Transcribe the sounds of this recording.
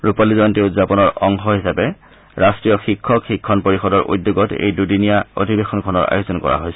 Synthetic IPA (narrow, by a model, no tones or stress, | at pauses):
ɹupalizɔjɔntiuzapɔnɔɹɔŋxɔɦisapɛ | ɹastɹijɔxikʰːɔxikʰːɔnpoɹixɔdɔɹʔṵdːjoɡɔtḛjdudinijao̰dʱibexɔnkʰɔnɔɹa̰jozɔnkɔ̰ɹa̰ɦojsɛ